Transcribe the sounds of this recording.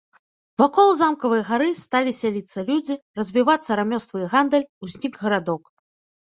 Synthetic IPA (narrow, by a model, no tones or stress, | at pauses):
vakɔlˠzamkɐvɨjɐɣaɾɨst̪alʲisʲalʲit̪sːɐlʲud͡zʲirɐzʲvʲivat̪sːɐɾamʲɔst̪vɨjɣand̪ɐlʲusʲnʲiɡɣɐɾad̪ɔk